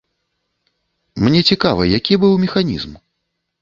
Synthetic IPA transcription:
mnʲɛt͡sʲikavɐjakʲibɨwmʲɛxanʲḭzm

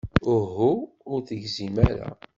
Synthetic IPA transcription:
ʊɦu | ʊɾθəʝzimæɾæ̰

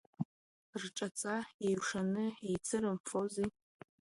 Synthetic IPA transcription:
rʈ͡ʂʼat͡sʼaejʂanɨejt͡sʰɨɾɨmfozi

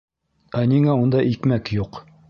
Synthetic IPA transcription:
æniŋæund̪ɑʔikmækjuq

